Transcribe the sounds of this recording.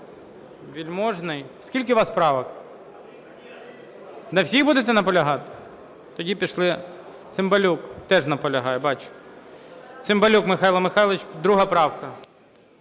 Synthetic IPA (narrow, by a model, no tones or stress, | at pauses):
ʋʲilʲmɔʒnɪjskʲilʲk̬ɪʋɑspɾɑʋɐk | nɐwsʲiɣbud̪et̪ɛnɐpɔlʲɐɦɑt̪ɪ̥ | t̪ɔdʲipʲiʃlˠɪ | t̪sɪmbɐlʲukt̪ɛʒnɐpɔlʲɐɦɑjɛbɑt͡ʃʊ̥ | tsɪmbɐlʲukmɪxɑilˠɐmɪxɑjlˠɪt͡ʃd̪ɾuɦɐpɾɑwkɐ